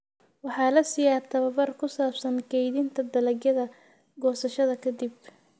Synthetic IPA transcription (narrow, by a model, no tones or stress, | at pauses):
wɑħɑːlɐsɪjaːt̪ʰɐβɐβɐrkʰʊsaːbsɐnkʰɛjðɪnt̪ʰɐd̪ɐlɐɡjɐðɐ | ɡɔːsɐʃɐðɐkʰɐd̪ib̚